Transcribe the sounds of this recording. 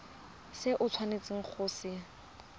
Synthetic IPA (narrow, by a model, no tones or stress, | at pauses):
sɪʔʊt͡sʰwanet͡sʼɪŋ̩k͡xʰʊːsɪ